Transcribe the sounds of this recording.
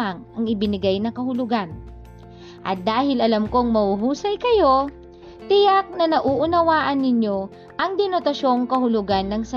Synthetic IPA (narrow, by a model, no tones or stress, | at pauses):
aŋɐŋɪbɪnɪɡajnɐkɐhʊlʊɡan | ʔɐ̰t̪̚d̪aːhɪlʔɐlɐmkoŋmɐhuɦuːsɐjkɐjo̞ | t̪ɪjak̚nɐnɐʔuʔʊnɐwaːʔɐnːɪɲjo̞ | ʔɐŋd̪ɪnot̪ɐʃo̞ŋkɐhʊlʊɡanːɐŋsɐ